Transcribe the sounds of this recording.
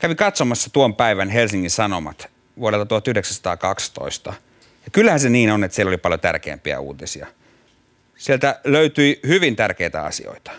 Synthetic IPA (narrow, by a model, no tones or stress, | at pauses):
kæʋikɑt̪somɑsːɑt̪uompæiʋænhelsiŋːinsɑnomɑ̰t̪ | ʋuoɾelt̪ɑt̪uhɑt̪yhdeksænsɑ̥t̪ɑ̰ːkɑkst̪o̰ist̪ɑ | jɑkylːæhænseniːnonet̪sielːolipɑljot̪æ̰rkḛːmpiæ̰ṵːt̪isiɑ̰ | sielt̪æløyt̪yihyʋint̪ærkeit̪æ̰ɑ̰sḭo̰it̪ɑ̥